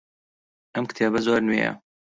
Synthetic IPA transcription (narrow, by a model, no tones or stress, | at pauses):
ʔɐmkɨ̥t̪ʰeːbɐzoːɾnejɐ̰